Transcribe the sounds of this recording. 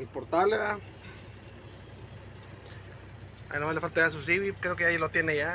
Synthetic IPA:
ipoɾt̪aβleða | a̰jnamazlefalt̪ajas̬us̬iβikɾeokeʝalot̪jeneʝa

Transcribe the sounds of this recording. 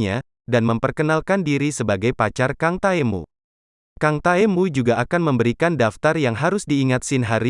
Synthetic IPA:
ɲa | danməmpərkənalkandiɾisəbaɡajpat͡ʃarkaŋt̪aemṵ | kaŋt̪aemud͡ʒuɡaːkanməmbəɾikandaft̪arjaŋɦaɾʊsdiːŋat̪̚sɪnɦaɾi

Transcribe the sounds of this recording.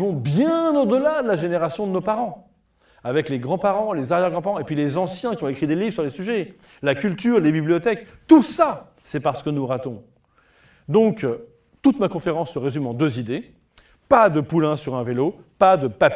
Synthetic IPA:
vɔ̃bjɛ̃nod̪əlad̪əlaʒeneʁasjɔ̃d̪ənopaʁɑ̃ | avɛkleɡʁɑ̃paʁɑ̃lezaʁjɛʁɡʁɑ̃paʁɑ̃epɥilezɑ̃sjɛ̃kʲiɔ̃ekχid̪elivʁsyʁlesyʒɛ | lakʲylt̪yʁlebiblijɔt̪ɛkt̪usa | sɛpaʁsə̥kənuʁat̪ɔ̃ | d̪ɔ̃k | t̪ut̪makɔ̃feʁɑ̃sːəʁezymɑ̃d̪øzid̪e | pad̪əpulɛ̃syʁɛ̃velo | pad̪əpap

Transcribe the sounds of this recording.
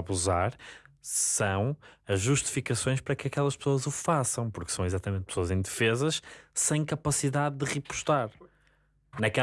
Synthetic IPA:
βuzaɾ | sɐ̃w̃ɐʒːuʃt̪i̥fikɐsõj̃ʃpɐɾɐkɐkɛlˠɐʃpsoɐzufasɐ̃w̃puɾksɐ̃w̃izat̪ɐmẽnt̪̚pɨsoɐzẽj̃d̪ɨfezɐʃsẽj̃kɐpɐsiðaððɨʁɨpu̥ʃt̪aɾ | nɐkɛ

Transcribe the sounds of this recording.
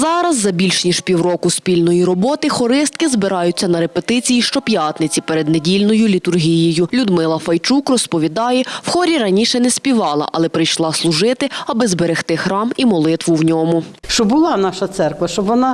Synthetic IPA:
zɑɾɐzːɐbʲilʲʃnʲiʒpʲiwɾɔkʊspʲilʲnɔjiɾɔbɔt̪ɪxɔɾɪst̪̚kɪzbɪɾɑjʊt͡sʲːɐnɐɾepet̪ɪt͡sʲijiʃt͡ʃɔpʲjɑt̪nɪt͡sʲipeɾed̪nedʲilʲnɔjʊlʲit̪ʊrɦʲijijʊlʲʊd̪mɪlˠɐfɐjt͡ʃukrɔspɔʋʲid̪ɑjɛwxɔɾʲiɾɐnʲiʃɛnɛspʲiʋɑlˠɐ̰ʔɐlˠɛpɾɪjʃlˠɑslˠʊʒɪt̪ɪɐbɪzbeɾext̪ɪxɾɑmimɔlˠɪt̪ʋʊwnʲɔmʊʃt͡ʃɔbʊlˠɑnɑʃɐt̪sɛrkʋɐʃt͡ʃɔbʋɔnɑ

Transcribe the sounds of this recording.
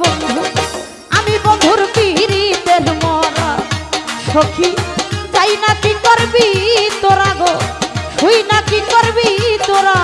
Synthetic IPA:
bɔnd̪ʱu | amibɔnd̪ʱuɾpiɾit̪eɾmɔɾa | ʃokʰit͡ʃajnakikɔɾbit̪oɾaɡohujnakikɔɾbit̪oɾa

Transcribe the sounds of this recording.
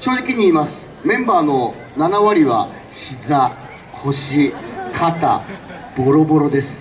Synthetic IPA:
ɕo̞ːʑikʲiɲ̟iːmasɨ̥ | mẽ̞mbaːno̞ | nanaβaɾʲiβa̰ | çiza | kʰo̞ɕikʰat̪a̰ | b̥o̞ɾo̞bo̞ɾo̞d̪e̞sɨ̥

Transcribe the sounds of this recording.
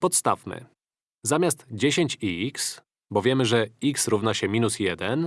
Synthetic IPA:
pɔt̪st̪a̰fmɘ̰ | zamʲast̪d͡ʑeɕeɲt͡ɕiks | bɔvʲjɛmɘʐɛiksɾuvnaɕɛmʲinusjɛd̪ɛn

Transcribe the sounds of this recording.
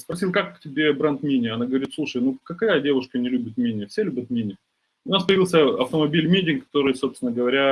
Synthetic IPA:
spɾɐsʲilˠkakːtʲɪbʲe̞bɾant̪mʲinʲɪəɐnaɡəvɐɾʲit̪slˠuʂəjnukɐkɐjadʲe̞vʊʂkənʲɪlʲʉbʲɪt̪mʲinʲɪəfsʲelʲʉbʲət̪mʲinʲɪ | ʊnaspəjɪvʲilˠsʲəɐft̪əmɐbʲilʲmʲedʲɪkːɐ̥t̪o̞ɾɨjso̞pst̪ʲɪnəɡəvɐɾʲa

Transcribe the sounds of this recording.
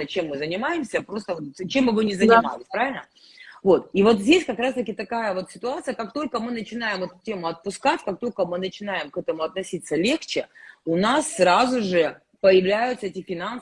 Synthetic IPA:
ət͡ɕe̞mːɨzənʲɪmajɪmsʲəpɾo̞st̪əvot̪t͡ɕe̞mːɨvɨnʲɪzənɪma̰lʲɪsʲpɾavʲɪlʲnə | vo̞t̪ivo̞t̪zʲdʲesʲkɐkɾast̪əkʲɪt̪ɐkajəvo̞t̪sʲɪ̥t̪ʊat̪sɨjəkak̚t̪o̞lʲkəmɨnət͡ɕɪnajɪmɛt̪ʊ̥tʲe̞mʊɐt̪̚pʊskatʲkak̚t̪o̞lʲkəmɨnət͡ɕɪnajɪmkɛt̪əmʊɐt̪nɐsʲit̪sːəlʲe̞xt͡ɕɪʊnasːɾazʊʐɨ | pəjɪvlʲæjʊt̪səetʲɪfʲɪnan

